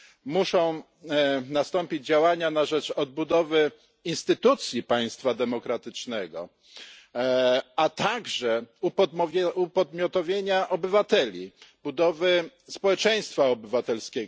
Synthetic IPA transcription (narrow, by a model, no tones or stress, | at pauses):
muʂɔ̃w̃ | nast̪ɔmpʲid͡ʑd͡ʑawaɲanaʐɛt͡ʂɔd̪̚bud̪ɔvɘ | inst̪ɘt̪ut̪sʲjipaj̃st̪fad̪ɛmɔkɾat̪ɘt͡ʂnɛɡɔ̰ | at̪aɡʐɛupɔupɔd̪mʲjɔt̪ɔvʲjeɲaʔɔbɘvat̪ɛlʲibud̪ɔvɘ | spɔwɛt͡ʂɛj̃st̪faɔbɘvat̪ɛlskʲɛɡ